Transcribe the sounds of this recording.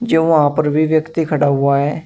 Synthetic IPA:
d͡ʒeːõːãːpəɾbiːʋjəkt̪iːkʰəɽaːɦʊaːɦɛː

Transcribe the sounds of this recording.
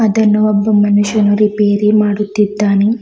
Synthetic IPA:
ɐd̪ɐnːɐʋɐbːɐmːɐnuʃɐnuɾipeːɾimaːɽut̪ːid̪ːaːni

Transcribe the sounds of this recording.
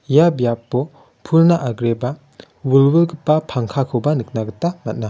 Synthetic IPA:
jabjapːɔ | pʰuɾnaʔaɡɾeba | wulwilɡpapʰaŋkʰakʰɯwbɐnɯk̚naɡɯtamɐt̚na

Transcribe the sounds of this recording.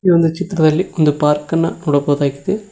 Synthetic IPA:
ʋɐnd̪ɐt͡ʃɪt̪ːɪɾɐðɐlːiɔnd̪ɯpaːɾkɐnːɐ̰nuːɽɐpoːðaːkːi̥t̪ɯ

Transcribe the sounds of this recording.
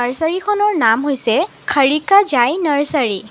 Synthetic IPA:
aɹsaɹikʰɔnɔɹnamɦojsɛ | kʰaɹikazajnaɹsaɹi

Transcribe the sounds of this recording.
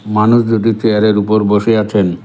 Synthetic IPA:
manuʃd͡ʑuʈit͡ɕeaɾeɾupoɾboʃeat͡ɕʰen

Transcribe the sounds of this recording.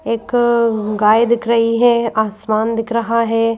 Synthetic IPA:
eːkɡaːjd̪ɪkɾəɦiɦɛːaːsmaːnd̪ɪkʰɾəɦaɦɛː

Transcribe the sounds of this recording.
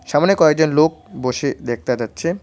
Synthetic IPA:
ʃamanekɔeɡ̚d͡ʑonlok̚boʃed̪ek̚ʰt̪ad͡ʑatːɕʰe

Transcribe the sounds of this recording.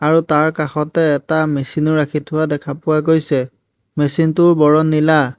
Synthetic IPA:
aɹutaɹkaxɔtɛːtamesinʊɹakʰitʰʊwadɛkʰapʊwaɡojsɛ | mesintʊɹbɔɹɔnːila

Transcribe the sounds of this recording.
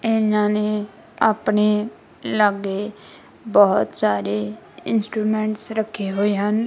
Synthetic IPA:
enãːne | a̰pneː | ləɡeː | bɔːt̪saːɾeː | ɪ̰nsʈɾuːmɛ̃ːɳʈsɾəkʰːeɦoːeːɦən

